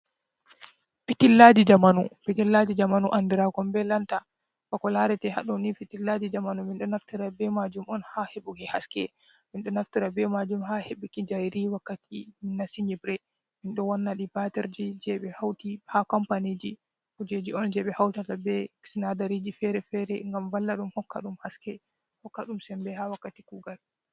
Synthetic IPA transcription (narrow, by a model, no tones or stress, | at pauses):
pitilːad͡ʒid͡ʒamanupitilːad͡ʒid͡ʒamanuʔandiɾakɔmbɛlanta | fakɔlaɾɛtɛha̰ɗɔnifitilːad͡ʒid͡ʒamanuminɗɔnaftiɾabɛmad͡ʒumɔnhaheɓukɛhaskɛ̰ | minɗɔnaftiɾabɛmad͡ʒumɦaheɓikid͡ʒajɾiwakːatiminːasiɲibɾɛ | minɗɔwanːaɗibatɛɾd͡ʒid͡ʒɛɓɛhawtihakɔmpanid͡ʒi | hud͡ʒed͡ʒiɔnd͡ʒɛɓɛhawtatabɛsinadaɾid͡ʒifɛɾɛfɛɾɛŋɡamvalːaɗumhɔkːa̰ɗumhaskɛ | hɔkːaɗumsɛmbɛhawakːatikuɡal